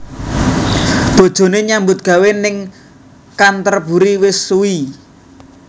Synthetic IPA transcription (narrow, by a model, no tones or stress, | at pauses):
d̪̥o̤d̥ʒ̥o̤neɲambʊt̪̚ɡ̥a̤wenɪŋ | kant̪ərb̥ṳɾiwɪsːuwi